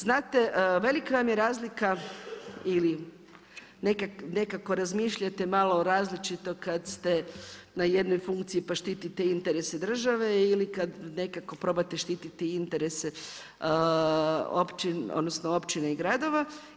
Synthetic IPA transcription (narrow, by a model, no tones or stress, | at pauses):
znaːt̪eʋe̞likaʋamjeɾaːzlika | ili | ne̞kakne̞kako̞ɾazmiːʃʎat̪emalˠoɾaːzlit͡ʃit̪o̞kad̪st̪e̞ | naje̞d̪nojfuŋkt̪siipaʃt̪it̪it̪eint̪eɾe̞sed̪r̩ʒaʋe̞ilikad̪ne̞kako̞pɾo̞bat̪eʃt̪iːt̪it̪eint̪e̞ɾese | o̰pt͡ʃino̰d̪no̞snoo̞pt͡ʃineiɡɾad̪o̞ʋa